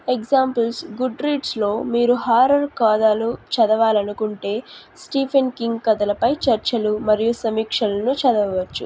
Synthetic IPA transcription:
eɡzaːmpɐlsɡuɖɾiːɖslo̞ːmiːɾuɦaːɾɐɾkaːd̪aːlut͡ʃɐd̪ɐʋaːlɐnukuɳʈe̞ːsʈiːpʰenkiŋɡkɐd̪ɐlɐpɐjt͡ʃɐɾt͡ʃɐlumɐɾijusɐmiːkʂɐlɐnut͡ʃɐd̪ɐʋɐʋɐt͡ʃːu

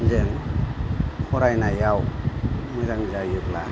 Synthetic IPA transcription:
nzɯŋ | kʰoɾajnajaw | mɯjɾaŋzajɯk̚la

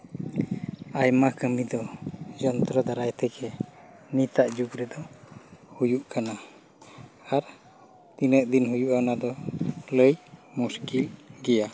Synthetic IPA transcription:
ajmakəmid̪ɔd͡ʒɔnt̪ɾɔd̪aɾajt̪ɛkɛ | nit̪aʔd͡ʒukɾɛd̪ɔ | hujuʔkana | aɾ | t̪inəʔd̪inɦujuʔanad̪ɔləjmuskilɡɛja

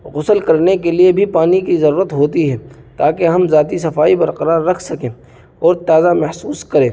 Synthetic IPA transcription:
ɣʊsəlkɐɾnekeliebʱipaːnikizɐɾuːɾət̪ɦoːt̪iɦɛː | t̪aːkeɦɐmzaːt̪is̬ɐfaːibɐɾqɐɾaːɾːɐkʰsɐkẽː | ɔːɾt̪aːzamɐɦsuːskɐɾẽː

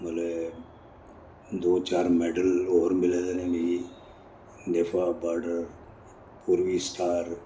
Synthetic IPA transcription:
məle | d̪oːt͡ʃaːɾmɛːɖəloːɾmɪleːd̪enɛ̃meːɾi | neːfʰabaːɾɖəɾ | puːɾʋiːsʈʰaːɾ

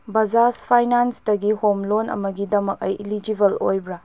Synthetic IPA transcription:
bɐzaspʰajnansdɐɡihomlonɐ̰mɐɡidɐmɐk̚ɐ̰jʔilid͡ʒibɐlo̰jbɾɐ

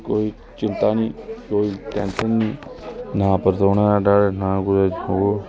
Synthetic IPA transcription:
koːiː | t͡ʃɪnt̪aːniːkoːiːʈɛ̃ːnsənːĩːnãːpəɾt̪oːnãːaɖaːɽenãːɡʊɾad͡ʒooː

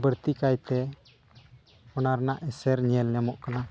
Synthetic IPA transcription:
bəɽt̪ikajt̪ɛ | ɔnaɾnaʔɛsɛɾɲɛlːɛmɔʔkana

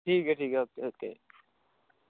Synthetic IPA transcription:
ʈʰiːkɛʈʰiːkɛt̪eɦot̪ẽ

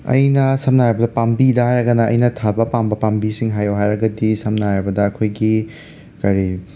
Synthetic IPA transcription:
ɐ̰jnɐsɐmnajɐbɐdɐpambidɐɦajɾɐɡɐnɐɐ̰jnɐtʰabɐpambɐpambisiŋɦajowɦajɾɐɡɐdisɐmnaɾɐbɐdɐːkʰojɡi | kɐɾi

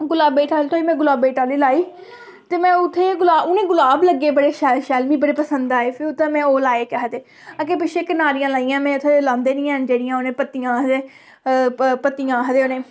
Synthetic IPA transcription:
ɡʊlaːbeːʈaːlit̪ʰoːiːmɛ̃ːɡʊlaːbeːʈaːliːlaːiː | t̪eːmɛ̃ːʊt̪ʰːeːɡʊlaːʊnẽːɡʊlaːbləɡːeːbəɽeːʃɛːlʃɛːlmĩːbəɽeːpəsənd̪aːeːpʰɪɾʊt̪ʰːãːmɛ̃ːoːlaːeːkaɦəd̪eː | ak̬eːpɪʃeːkɪnaːɾijãːlaːijãːmɛ̃ːʊt̪ʰːeːlãːnd̪eːnĩːənd͡ʒeːɽɪjãːonẽːpət̪ijãːɦəd̪eː | pət̪ːijãːɦəd̪eːonẽː

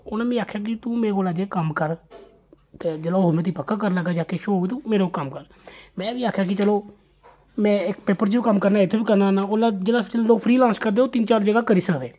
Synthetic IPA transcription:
ʊnaːmĩːaːkʰjaːk̬ɪt̪ũːmeːkoːlaːd͡ʒeːkəmkəɾ | t̪eːd͡ʒeːlaːɦoːmɛ̃ːt̪iːpəkːaːkəɾləɡaːd͡ʒaːkeʃoːoiːt̪ũːmeːɾokəmkəɾ | mɛ̃ːʋiːaːkʰjaːk̬ɪt͡ʃəloː | mɛ̃ːɪkpeːpəɾt͡ʃibiːkəmkəɾnaːɪt̪ʰːeːbiːkəɾnaːnaːoːlad͡ʒeːlaːst͡ʃəlloːɡpʰɾiːlãːnskəɾd̪eːoːt̪ɪnt͡ʃaːɾd͡ʒəɡaːkəɾiːsəkd̪eː

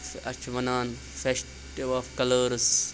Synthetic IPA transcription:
fɐ̰t͡ʃʰʋɐnaːn | fesʈ | iʋaːfkɐləːɾs

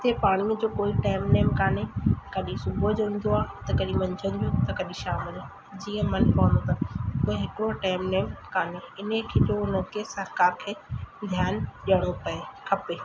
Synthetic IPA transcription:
ɪt̪epaːɽ̃imẽd͡ʑoːkoːiʈaːɪmneːmkaːnekɐɗĩsʊbʱəd͡ʒɦʊ̃n̆d̪oaːt̪ɐkɐɗĩmɐ̃ɲd͡ʑʱə̃nd̪ũt̪ɐkɐɗĩʃaːmɪlaː | d͡ʑiːə̃mɐnpɐːnot̪akoːeɦɪkɽoʈaːɪmneːmkaːneɪnẽkʰetoʊnəkʰesɐɾkaːɾkʰeːd̪ʱjaːnɗɐɽ̃opɐekʰɐpeː

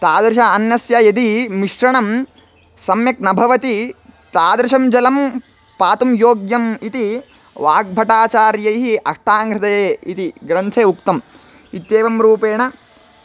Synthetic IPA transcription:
t̪aːd̪ɾɪʃɐɐnjɐsjɐjɐd̪imiʂɾɐɳɐm | sɐmjɐknɐbʱɐʋɐt̪it̪aːd̪ɾɪʃɐmd͡ʒɐlɐm | paːt̪umjoːɡjɐmit̪i | ʋaːɡ̚bʱɐʈaːt͡ʃaːɾjɐjɦiʔɐʂʈaːŋɡɾɐt̪eeːit̪iɡɾɐnt̪ʰeːukt̪ɐm | it̪jeːʋɐmɾuːpeːɳɐ

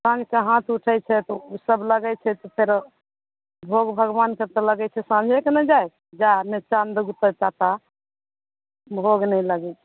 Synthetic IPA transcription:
sãd͡ʒkeɦãt̪uʈʰɛjt͡ʃʰɛt̪ɔusəbləɡɛt͡ʃʰɛt̪ɔpʰeɾ | bʱoɡbʱəɡʋanket̪ələɡɛt͡ʃʰɛsãnd͡ʒʱɛkenɛd͡ʒaj | d͡ʒanet͡ʃand̪əɡut̪ət͡ʃat̪a | bʱoɡnəjləɡɛt͡ʃʰɛ

